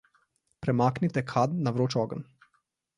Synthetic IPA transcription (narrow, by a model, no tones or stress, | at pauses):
pɾɛmaːknit̪ɛkʰad̪naʋɾoːt͡ʃɔɡən